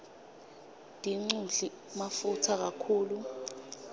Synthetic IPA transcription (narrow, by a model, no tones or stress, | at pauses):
d̥ʱiŋ͡ǀuɮi | mafutʰak̬akʰuːlu